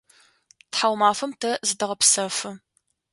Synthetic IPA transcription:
tħawmaːfɐmtʰɐzɨdɐʁɐpsɐfɨ

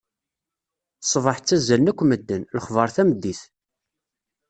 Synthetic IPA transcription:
sˤvɑħt͡sːæzːælnækʷːməd̪ːənləχvəɾˤθæməd̪ːiθ

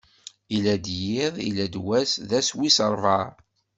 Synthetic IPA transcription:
ilæd̪jɪðˤḭlæd̪wæsðæswisəɾˤvɑɾˤ

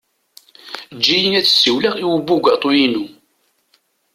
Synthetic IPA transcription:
d͡ʒːijənæt͡sːsiwlæʁiwəbːuɡʷɑt̪ˤujinu

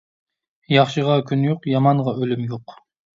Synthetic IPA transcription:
jɑχʃɨʁɑkʲʰynjoqjɑmɑɴʁɑʔølymjoq

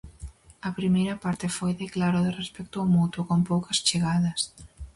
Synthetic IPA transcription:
ɐpɾimejɾɐpaɾt̪ɪfojðeklaɾʊðɪrespɛk̚t̪ʊaomut̪ʊkompowkɐst͡ʃeɣaðɐs

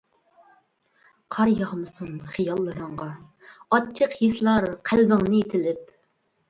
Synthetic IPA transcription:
qʰɑɾjɑʁmɨsunχɨjɑlˠːɨɾəɴʁɑ | ɑt͡ʃʰəqjislˠɑɾqʰælbɪŋnɪet̪ʰɪlɪp̚

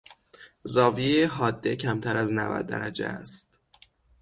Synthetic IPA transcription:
zɒːvieeɦɒːd̪ːe̞cʰæmt̪ʰæɾæznæ̰væ̰d̪̚ːæ̰ɾæd͡ʒḛæst̪

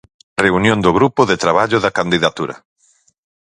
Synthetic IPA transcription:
reunjõnd̪ʊɣɾupʊðet̪ɾaβaʎʊðakand̪iðat̪uɾɐ̰

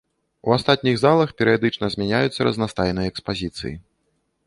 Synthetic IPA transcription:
uast̪at̪ʲnʲiɣzalˠɐxpʲɛɾɨjad̪ɨt͡ʂnɐzʲmʲanʲajut̪sːɐɾɐ̰znast̪ajnɨjɐɛkspazʲit̪sɨ̰jḭ

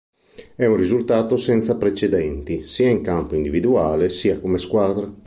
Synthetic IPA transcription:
ɛunrizult̪aːt̪osɛnt̪sapɾet͡ʃed̪ɛnt̪isiːaiŋkampoind̪ivid̪uaːlesiːakomeskwaːd̪ɾa

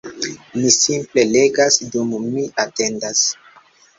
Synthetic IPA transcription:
misimple̞le̞ɡasdumːiʔate̞ndas

